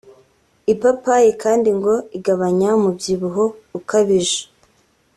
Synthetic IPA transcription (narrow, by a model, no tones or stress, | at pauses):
ipapajekaːndiŋɡo̞iɡaβaɲamubɟiβuɦoukaβiʒe̥